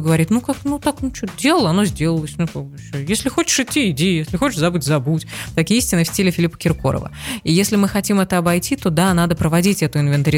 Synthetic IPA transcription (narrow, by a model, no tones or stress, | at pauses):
ɡəvɐɾʲit̪nukaknut̪aknʊt͡ɕot̪dʲelˠələɐnozʲdʲe̞ləlˠəsʲnuk̪aɡbsʲojesʲlʲɪxot͡ɕɪ̥ʂɪtʲːiɪdʲijesʲlʲɪxo̞t͡ɕɪʂzɐbɨtʲzɐbutʲt̪ɐkʲiisʲtʲɪnəfsʲtʲilʲɪfʲɪlʲipə̥kʲɪrko̞̰ɾə̰və̰ijesʲlʲɪmɨxɐtʲimɛt̪əɐbɐjtʲit̪o̞d̪an̪ad̪əpɾəvɐdʲitʲɛt̪ʊɪnvʲɪnt̪əɾʲɪ